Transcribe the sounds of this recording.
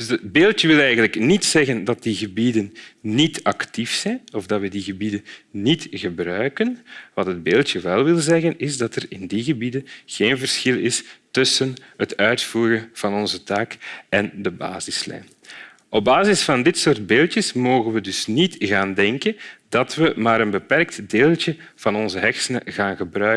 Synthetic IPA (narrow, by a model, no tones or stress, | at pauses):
dzəbeːlˠtjəʋɪlˠɛjɣənləknitsɛɣəndɑt̚diɣəbidənːitʰɑktifsɛnɔvdɑtʋədiɣəbidənnitɣəbrœːɥkənʋɑtəd̚beːlˠtjəʋɛlˠʋɪlˠzɛɣənɪzdɑtərɪndiɣəbidənɣeːnvərsxɪlˠɪstʏsənɦətœɥtfuːrənv̥ɑnɔnzətaːkɛndəba̰ːzɪslɛ̰ːjn | ʔɔb̚baːzɪsfɑndɪtsoːrd̚beːlˠtjəsmoːɣənʋədɵsnitɣaːndɛŋkənd̥ɑtʋəmaːɾənbəpɛrk̚tdeːlˠtə | v̥ɑnɔnzəɦɛxsənəɣaːnɣəbrœ